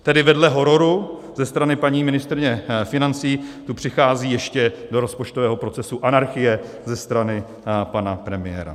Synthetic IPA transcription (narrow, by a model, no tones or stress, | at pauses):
t̪ɛdɪvɛdlɛɦo̞ɾoɾuzɛst̪ɾanɪpaɲiːmɪnɪst̪ɾɪɲɛfɪnant͡siːt̪upr̝̥ɪxaːziːjɛʃcɛdo̞ɾo̞spo̞t͡ʃt̪ovɛːɦo̞pɾot͡sɛsuʔanaɾxɪjɛ | zɛst̪ɾanɪ | panapɾɛmɪjɛ̰ːɾa̰